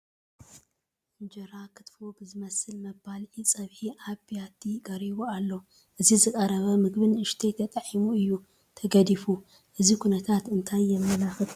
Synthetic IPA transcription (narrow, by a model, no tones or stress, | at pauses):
fɨnd͡ʒɐɾakʰɨ̥t̪fobɨzɨmɐsɨlmɐbalʕit͡sʼɐβħiʔaβijat̪ʰiɡɐɾiβualːo | ʔɨzizɨkʼɐɾɐβɐmɨɡbɨnʔɨʃt̪ʰet̪ʰɐt̪ʼɐʕimuɨjːu | t̪ʰɐɡɐd̪ifu | ʔɨzikʰunɐt̪ʰat̪ɨnt̪ʰajːɛmːɐlaxɨt̪